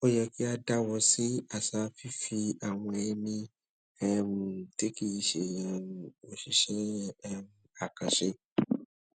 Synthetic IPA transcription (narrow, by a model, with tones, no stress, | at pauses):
o˦jɛ˨ki˦a˧da˦wɔ˧si˦a˦˨sa˨˦fi˦fi˧a˨w̃ɔ̃˧e˧mĩ˧ | ɛ˦m˨te˦ki˦˨ji˧ʃe˨jɛ̃˨o˨ʃi˨ʃɛ˦m˨a˨ka˨ʃe˦